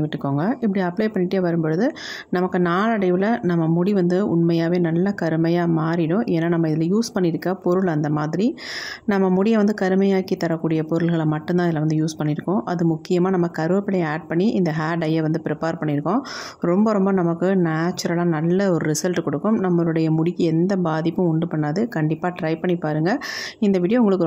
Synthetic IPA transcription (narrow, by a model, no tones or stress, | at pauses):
ɐɪʋɪʈːɾɯkːoːŋɡɐɪp̬ːɐɽiɐpːɭɐɪpɐɳːɪʈːeːʋɐɾɯmbɔɻɯðɯ | nɐmɐkːɯnaːɭɐɽɐɪʋɪlɐnɐmːɐmʊɽiʋɐnd̪ɯʊɳmɐjaːʋeːnɐlːɐkɐɾɯmɐjaːmaːɾɪɽʊ̃ʔeːnːaːnɐmːɐɪðɪlɐjuːspɐɳːɪɾɯkːɐpɔɾɯɭɐnd̪ɐmaːðɪɾinɐmːɐmʊɽɪjɐʋɐnd̪ɯkɐɾɯmɐjaːkit̪ːɐɾɐkːuːɽɪjɐpɔɾɯɭɣɐɭmɐʈːɯ̃nt̪ãːɪðɪlːɐʋɐnd̪ɯjuːspɐɳːɪɾɯkːʊ̃ʔɐðɯmʊkːɪjɐmaːnɐmːɐkɐɾɯʋɐpːɪɽɐjaːɖ̚pɐɳːiʔɪnd̪ɐɦaːɖɐjɐʋɐnd̪ɯpɪɾɛpeːɾpɐɳːɪɾɯkːʊ̃ɾɔmbɐɾɔmbɐnɐmɐkːɯnaːt͡ʃːɐɾɐlaːnɐlːɐɔɾɯɾɪsɐlʈɯkɔɽɯkːɯmnɐmːɐɭɯɽɐjɐmʊɽɪkːɯɛnd̪ɐbaːðɪpːɯ̃ʊɳɖɯpɐɳːaːðɯkɐɳɖɪpːaːʈɾɐɪpɐɳːipaːɾɯŋɡɐɪnd̪ɐʋɪɽɪjoʊŋɡɐɭɯkːɯ